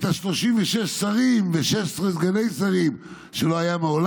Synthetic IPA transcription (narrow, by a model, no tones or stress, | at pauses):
t̪aʃlo̞ʃimveʃeʃsaʁimveʃeʃsʁesɡane̞jsaʁim | ʃelo̞ajameol